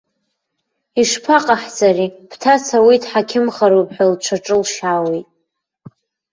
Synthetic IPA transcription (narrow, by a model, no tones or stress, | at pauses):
iʂpʰaqʼaħt͡saripʰtʰat͡sʰawitʰʼħakʲʰɪmχaɾupʰʼħʷᶣalʈ͡ʂʷʰaʈ͡ʂʼɨlʃawitʼ